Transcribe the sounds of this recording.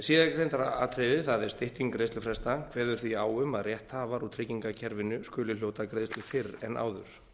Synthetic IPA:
siːðakɾejnt̪aɾaa̰t̪ʰɾevɪθaðɛɾ̥st̪ɪht̪iŋkɾejst̪ʏfɾɛst̪akʰvɛːðʏɾ̥θviaːwʏmaðrjɛht̪haːvaɾut̪ʰɾɪciŋkacʰɛɾvɪnʏskʏːlɪljowt̪akɾeːðst̪lʏfɪrɛnʔa̰ːwðʏɾ̥

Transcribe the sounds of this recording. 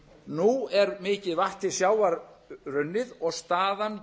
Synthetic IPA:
nuɛɾmɪːcɪðvaht̪ɪsjaːwaɾrʏnːɪðɔɣst̪aːðan

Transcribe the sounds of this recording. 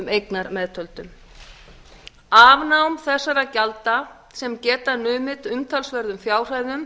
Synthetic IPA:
mejknaɾmɛːðt̪ʰœlt̪ʏm | aːvnawmθɛsːaɾacalt̪a | sɛmcɛːt̪anʏːmɪt̪ʏmt̪ʰalsvɛɾðʏmfjaːwr̥ajðʏm

